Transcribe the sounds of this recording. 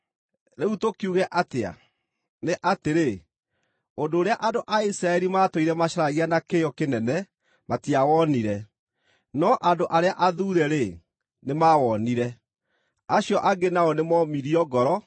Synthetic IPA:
ɾeutokiuɣɛʔatea̰ | neʔateɾe | ondoːɾeaʔandoʔaisiɾaɛɾimaːtoiɾɛmaɕaɾaɣeanakejɔkenɛnɛ | matiawɔniɾɛ | nɔʔandoʔaɾeaʔaðuːɾɛɾe | nemawɔniɾɛ | aɕjɔʔaɡenaɔnemɔmiɾiɔɡɔɾɔ

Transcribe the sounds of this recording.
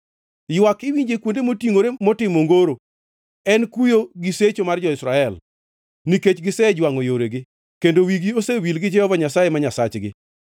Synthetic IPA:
jwakɪwiɲd͡ʒekwondemotiŋoɾemotɪmoŋɡoɾo | ɛnkujoɡɪset͡ʃomard͡ʒɔɪsɾaɛl | niket͡ʃɡɪsɛd͡ʒwaŋojoɾeɡɪ | kendowiɡiosewilɡɪd͡ʒɛhɔvaɲasajemaɲasat͡ʃɡɪ̰

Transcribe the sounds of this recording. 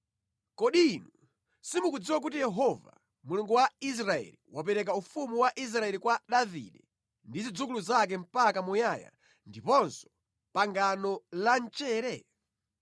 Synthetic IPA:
kɔɗinu | simukud͡ziwak̬utijɛɦɔva̰ | muluŋɡuwais̬ɾaɛ̰liwapɛɾɛk̬aufumuwaʔis̬ɾaɛlikwaɗavḭɗɛ | ndizid͡zukuluzak̬ɛm̩pakamujaja̰ | ndipɔnsɔ̥ | paŋɡanɔlant͡ʃɛːɾɛ

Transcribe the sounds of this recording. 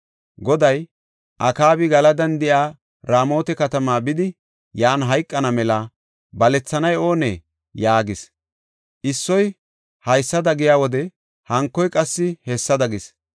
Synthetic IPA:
ɡɔd̪ɐj | ʔɐkaːbɪɡɐlɐd̪ɐnd̪ɪjaː | ɾaːmo̞ːt̪ɛkɐt̪ɐmaːbɪd̪ɪ | jaːnɦɐjkʼːɐnɐmɛlɐ | bɐlɛt͡sːɐnɐjo̞ːnḛː | jaːɡɪs | ʔɪsːɔj | hɐjsːɐd̪ɐɡɪjaːwɔd̪ɛ | hɐŋkːɔjkʼɐsːɪhɛsːɐd̪ɐɡɪs

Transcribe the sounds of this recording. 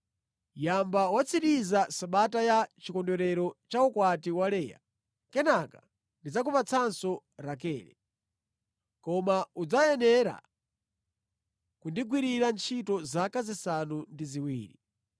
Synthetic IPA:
jambawat͡sʰiɾizasaɓatajat͡ʃikɔndɔɾɛɾɔt͡ʃaukwatiwalɛːja̰ | kɛnaka | ndid͡zakupat͡sʰansɔ | ɾak̬ɛːɾɛ̰ | kɔmaud͡zajɛnɛɾa̰ | kundiɡwiɾiɾant͡ʃʰitɔzakazisanundiziwiːɾi

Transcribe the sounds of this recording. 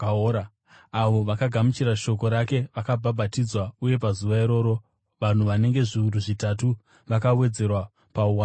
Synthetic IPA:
a | aʋo̞ʋakaɡʱamut͡ʃiɾaʃo̞ko̞ɾake̞ʋakabʱabʱatid͡zwauje̞pazuʋaiɾo̞ːɾo̞ | ʋan̤uʋane̞ŋɡe̞ʐiuɾuʐitatu | ʋakawe̞d͡ze̞rwa | pauwan

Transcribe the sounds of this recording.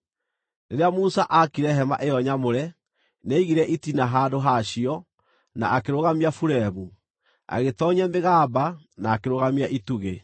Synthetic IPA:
neɾeamusaʔakiɾɛɦɛma̰ʔejɔɲamoɾɛ | neiɣiɾɛʔitinaɦaːdoɦaɕiɔ | na̰ʔːkeɾoɣamiafuɾɛβu | a̰ɣetɔɲɛmeɣaːba | naːkeɾoɣamiaʔituɣe

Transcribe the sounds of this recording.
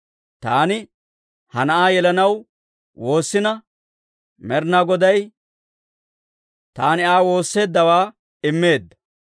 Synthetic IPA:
t̪aːnɪ | hɐnɐʔaːjɛlɐnɐw | wo̞ːsːɪnɐ | mɛɾnaːɡɔd̪ɐj | t̪aːnɪaːwo̞ːsːe̞ːd̪ːɐwaː | ɪmːe̞ːd̪ːɐ̥

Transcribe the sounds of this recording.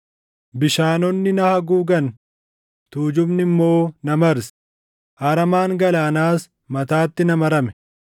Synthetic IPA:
bɪʃaːnɔnːɪnɐhɐɡuːɡɐn | t̪uːd͡ʒʊbnɪmːo̞ːnɐmɐɾs | ʔaːɾɐmaːŋɡɐlaːnaːs | mɐt̪aːt̪ːɪnɐmɐɾɐmɛ̥

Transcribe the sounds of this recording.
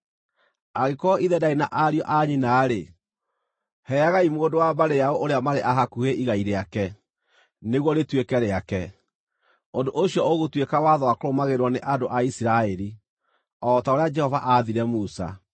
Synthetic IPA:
aɣekɔiðɛdainaʔaɾjɔʔaɲinaːɾe | hɛaɣaimwondowabaɾejaɔʔoɾeamaɾeʔaɦakuheʔiɣaiɾeakɛ | neɣwɔɾetwekɛɾeakɛ | ondoʔoɕiɔoɣotwekawaðɔwakoɾomaɣeɾwɔneʔadoʔaisiɾaɛɾi | ɔtaoɾead͡ʒɛhɔvaʔaðiɾɛmusa̰

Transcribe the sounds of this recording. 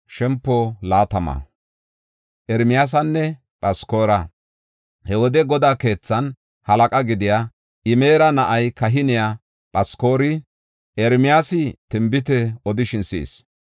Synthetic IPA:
ʃɛmpːolaːt̪ɐmɐ̰ | ʔɛɾmɪjaːs̬ɐnːɛ | pʼɐsko̞ːɾɐ | hɛwɔd̪ɛɡɔd̪aːke̞ːt͡sːɐn | hɐlɐkʼɐɡɪd̪ɪja | ɪmeːɾɐnɐʔɐjkɐɦɪnɪja | pʼɐsko̞ːɾɪ | ʔɛɾmɪjaːsɪt̪ɪmbɪt̪̬ɛɔd̪ɪʃɪnsḭːs

